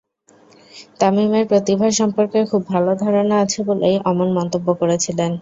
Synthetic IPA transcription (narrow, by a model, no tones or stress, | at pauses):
t̪amimeɾpɾot̪ibʱaʃɔmpoɾkekʰubːʱalod̪ʱaɾonaat͡ɕʰebolejʔɔmonmɔnt̪obːokoɾet͡ɕʰilen